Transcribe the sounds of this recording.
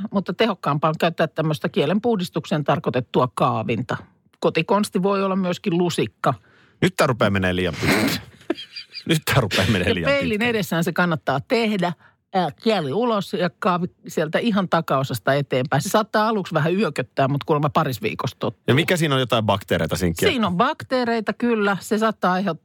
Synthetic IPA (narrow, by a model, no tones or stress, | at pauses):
mut̪ːɑt̪ehokːɑːmpɑːŋkæyt̪ːæːt̪t̪æmːøst̪ɑkielempuhdist̪ukseːnt̪ɑrkot̪et̪ːuɑkɑːʋint̪ɑ | kot̪ikonst̪iʋoiolːɑmmyøskillusikːɑ | nyt̪ːæːrupeːmenːæliːjɑ̰mpit̪ | nyt̪ːæːrupḛːmenːæliːeilːinedesːæːnsekɑnːɑt̪ːɑːt̪ehdæ | kiæliulosjɑkɑːʋisielt̪æiɦɑnt̪ɑkɑosɑst̪ɑet̪eːmpæinsesɑːt̪ːɑːɑluksʋæhæyøkøt̪ːæːmmut̪kumɑpɑrisʋḭːkost̪ot̪ːjɑmikːˑæsiːnojot̪ɑibɑkt̪eːɾḛit̪ɑsiːŋkːiːnombɑkt̪eːreit̪ɑkylːæsesɑːt̪ːɑːehot̪ː